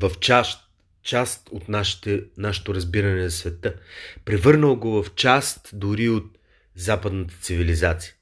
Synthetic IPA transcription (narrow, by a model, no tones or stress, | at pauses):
vɐft͡ʃaʃt̪ | t͡ʃast̪ot̪naʃi̥t̪ɛnaʃɛ̥t̪oɾɐzbiɾɐnɛnɐsvɛt̪əpɾɛvɤɾnəlˠɡovɐft͡ʃast̪d̪ʊɾiot̪̚ | zapəd̪nət̪ə̥t̪sivilizat̪si̥jə